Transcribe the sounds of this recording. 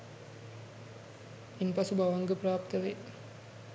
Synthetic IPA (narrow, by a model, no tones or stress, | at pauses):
inpɐsubaʋɐŋɡəpɾaːpt̪ɐʋe